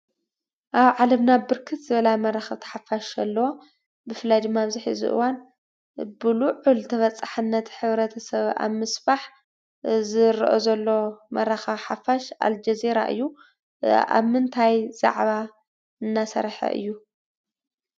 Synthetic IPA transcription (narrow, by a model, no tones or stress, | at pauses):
ʔaβʕalɐmnabɨɾkʰɨt̪zɨβɐlamɐɾaxɐβt̪ʰɐ̥ħafaʃɐlːɐwo | bɨfɨlajd̪ɨmːaβzɨħizɨ̰ʔɨ̰wan | bɨluʕult̪ʰɐβɐt͡sʼaħɨnːɐt̪ħɨβɾɐt̪ʰɐsɐβa̰βmɨsfaħ | zɨɾʔozɐlːomɐɾaxaħafaʃa̰ld͡ʒɐziɾa̰ʔɨ̰jːu | a̰βmɨnt̪ʰajza̰ʕβa | ɨnːasɐ̰ɾħɐ̰ʔɨ̰jːu